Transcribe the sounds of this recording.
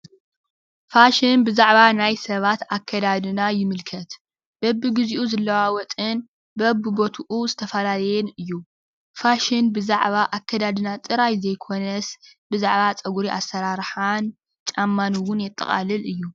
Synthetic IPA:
faʃɪnbɨzaʕβanajsɐβat̪akʰːɐd̪ad̪ɨnajɪmɨlkʰɐt̪ | b̥ɐbːɨɡɨziʔuzɨlːɐwawɔt̪ʼɨn | bɐbːɨbo̞t̪ʰuʔuzɨt̪ʰɐfɐlalɐjɛnɨjːu | faʃɪnbɨzaʕβaʔakːɐd̪ad̪ɨnat̪ʼɨɾajzɐjkʰo̞nɐsbɨzaʕβat͡sʼɐɡuɾiʔasːɐɾaɾħan | t͡ʃʼamːanɨwʊnjɛt̪ʼːɐ̰χʼa̰lɨlɨjːu

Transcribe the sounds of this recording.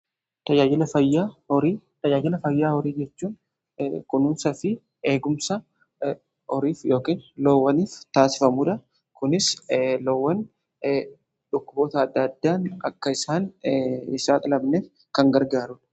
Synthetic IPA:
t̪ɐjaːd͡ʒɪlɐfɐjːaːhɔɾiː | t̪ɐd͡ʒaːd͡ʒɪlɐfɐjːaːhɔɾiːd͡ʒɛt͡ʃːuːn | kʊnʊmsɐfɪ | e̞ːɡʊmsɐ | ʔɔɾiːfjo̞ːkiːnlowːɐniːft̪aːsɪ̥fɐmuːᶑ̪ɐ | kʊnɪslɔwːɐn | ᶑʊkːʊboːt̪ɐːd̪ːɐːd̪ːaːnɐkːɐɪsaːnɪsaːᶑ̪ɐlɐbneːf | kɐŋɡɐɾɡaːɾʊᶑɐ̥

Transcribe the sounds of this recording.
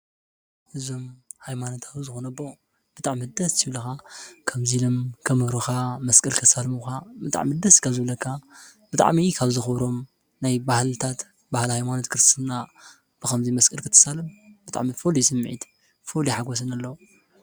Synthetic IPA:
ʔɨzo̞mhajmanot̪ʰaβzɨxonɐbːo | b̥ɨt̪ʼaʕmid̪ɐstʰɨβlɐxakʰɐmzilomkʰɐmɨɾuxamɐskʼɐlkʰɨt̪ːsalmuxabɨt̪ʼa̰ʕmid̪ɐskʰaβzɨβlɐkʰːabɨt̪ʼa̰ʕmikʰaβzɨxɨβɾo̞m | najbahlt̪ʰat̪ | bahlhajmanot̪kʰɨɾst̪na | b̥ɨxɐmzimɐskʼɐlkʰɨt̪ʰːɨ̥salɨmbɨt̪ʼa̰ʕmifolisɨmːʕḭt̪ | foliħaɡos̬ɨnalːɐwu

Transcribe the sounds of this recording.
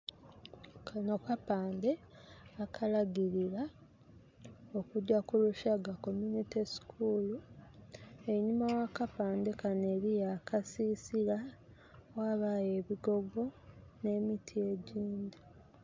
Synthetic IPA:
kanokapaːnde̞ | akʰalaɡiɾiɾa | o̞kuɟakuluʃaɡako̞munitisi̥kʰulu | e̞ɲimawakapaːnde̞kaneːɾijakasiːsiɾa | waːβaje̞βiɡo̞ɡo̞ne̞ːmitʰie̞ɟiːndi

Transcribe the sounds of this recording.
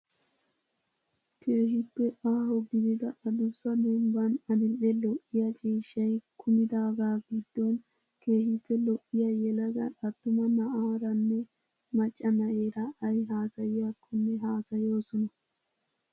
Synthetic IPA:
kʰe̞ːɦɪpːɛʔaːɦɔɡɪd̪ɪd̪ɐʔɐd̪ʊsːɐd̪ɛmbɐnɐd̪ɪnɗɛlɔʔːɪjat͡ʃʼiːʃːɐjkʰʊmɪd̪aːɡaːɡɪd̪ːɔn | ke̞ːhɪpːɛlɔʔːɪjajɛlɐɡɐ̰ᶑɐt̪ːʊmɐnɐʔaːɾɐnːɛ | mɐt͡ʃʼːɐnɐʔeːɾɐʔɐjɦaːsɐjɪjakːɔnːɛɦaːsɐjo̞ːsɔnɐ

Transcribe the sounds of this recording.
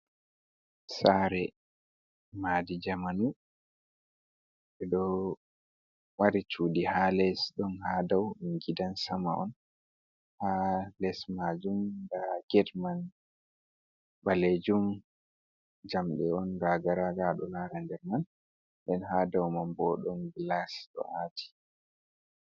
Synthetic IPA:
saɾɛ | madid͡ʒamanu | ɓɛɗɔ | waɾit͡ʃudihalɛsɗɔnhadawŋɡidansama̰ʔɔ̰n | halɛsmad͡ʒumdaɡ̥ɛdman | baled͡ʒum | d͡ʒamɗɛɔnɾaɡaɾaɡaɗɔlaɾandɛɾman | ɓɛnhadawmambɔɗɔnɡlasɗɔ̰ʔatʰi̥

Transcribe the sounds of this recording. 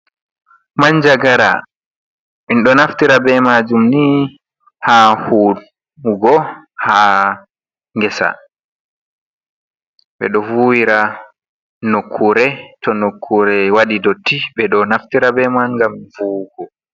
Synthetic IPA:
maɲd͡ʒaɡaɾa̰ | minɗɔnaftiɾabɛmaːd͡ʒumni | haːhu | ɡɔha | ŋɡɛsa̰ | ɓɛ̰ɗɔvuːwiɾa | nokʰːuɾɛtɔnokʰːuɾɛwaɗidɔtːiɓɛɗɔnaftiɾabɛmanŋɡamvuːɡɔ

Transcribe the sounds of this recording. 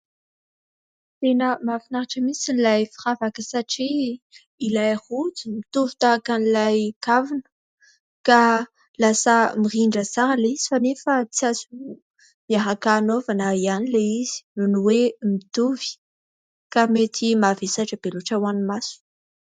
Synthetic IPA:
t̪enəmafinaɾaʈ͡ʂəmisinlajfiravakəsaʈ͡ʂiː | lajhud͡zimit̪uvit̪akanilajkavunə̥ | ka | lasəmiriɳɖ͡ʐəzaɾəleizifanefət͡siazu | miaɦakanovanəianileiz̥i̥nunuwemit̪uvi̥ | kamet̪ʰimavesaʈ͡ʂəb̥eluʈ͡ʂawanimasu̥

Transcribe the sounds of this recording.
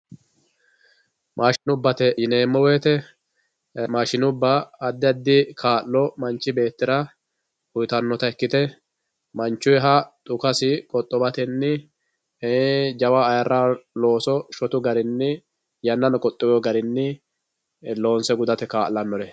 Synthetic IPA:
mʔaːʃɪnʊbːɐt̪ɛjɪneːmːɔweːt̪ɛ | maːʃɪnʊbːɐːd̪ːɪɐd̪ːɪkʰaːʔlɔmɐnt͡ʃːɪbe̞ːt̪ːɪɾɐ | hʊjt̪ɐnːɔt̪ɐɛkːɪt̪ɛ | mɐnt͡ʃːʊjɛɦɐt̪ʼʊkɐsɪkʼɔt̪ʼːɔbɐt̪ɛnːɪ | d͡ʒɐwaːjɐɾːaːlo̞ːsɔʃɔt̪ʊɡɐɾɪnːɪ | jɐnːɐnɔkʼɔt̪ʼːɪwɔɡɐɾɪnːɪ | lo̞ːnsɛɡʊd̪ɐt̪ɛkaːʔlːɐnːɔɾɛ

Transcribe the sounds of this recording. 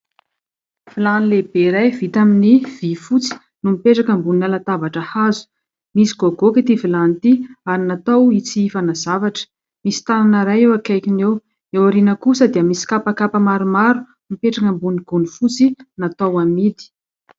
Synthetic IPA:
v̥ilanilebeɾajvit̪aminiv̥ifut͡si̥ | numipeʈ͡ʂakəmbunalat̪avaʈ͡ʂəhazu̥ | misi̥ɡ̥oɡokit̪ivilant̪iaɾinat̪awit͡siifanazavaʈ͡ʂə̥ | misi̥t̪ananəɾajewakajkinew | ewaɾinəkusəd̪iəmisi̥kapakapəmaɾumaɾunumipeʈ͡ʂakəmbuniɡ̥unifut͡sinat̪awamid̪i̥

